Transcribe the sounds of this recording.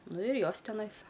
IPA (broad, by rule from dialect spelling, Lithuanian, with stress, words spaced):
ˈnʊ ɪr ˈjoːs tʲɛˈnɐɪs